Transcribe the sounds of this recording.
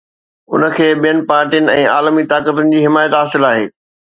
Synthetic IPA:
ʊ̰nəkʰeːɓijənɪ̆paːɾʈijənɪ̆ɛ̃ːaːlmit̪aːkət̪ʊnɪ̆d͡ʑiːɦɪmaːjət̪ɦaːsɪlaːɦeː

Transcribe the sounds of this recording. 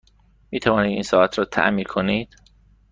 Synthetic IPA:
miːt̪ʰævɒːniːd̪iːnsɒːʔæt̪ʰɾɒːt̪ʰæ̰ʔmiːɾkʰoniːd̪̥

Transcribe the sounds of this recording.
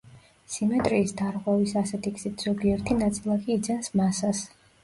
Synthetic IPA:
simɛt̪ʼɾiːsd̪aɾʁwɛvisasɛt̪ʰiksit̪ʰz̥ɔɡiɛɾt̪ʰinat̪sʼilˠakiːd̪zɛnsmasas

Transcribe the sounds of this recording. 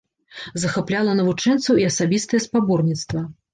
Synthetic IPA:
zɐxaplʲalˠɐnɐvut͡ʂɛnt̪sɐwiɐsabʲist̪ɐjɛspabɔrnʲit̪st̪vɐ

